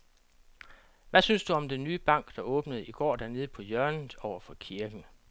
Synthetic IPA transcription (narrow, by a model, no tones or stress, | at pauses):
ʋæsynsd̥uɒ̽md̥enːyːb̥ɑ̈ŋ̰ɡ̥d̥ɑ̈ʔɔ̽ːb̥nəðˠiɡ̥ɒ̰ːd̥æɐne̝ːð̞̩ˠpʰɒ̽jɶɐnɒʊ̰ɐfɒ̽kʰiɐɡ̥n̩